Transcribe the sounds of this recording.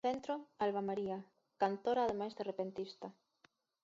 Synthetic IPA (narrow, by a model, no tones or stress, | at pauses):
ent̪ɾoalβamaɾia | kant̪oɾaðemajzðerepent̪ist̪ɐ